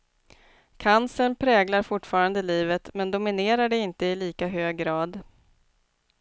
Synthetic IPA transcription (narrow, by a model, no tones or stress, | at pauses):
kʰansənpʰɾɛːɡlaɾfʊʈːfɑːɾand̪əliːvət̪mɛnd̪ʊmɪneːɾaɖɛɪnt̪əɪliːkaɦøːɡːɾɑːd̪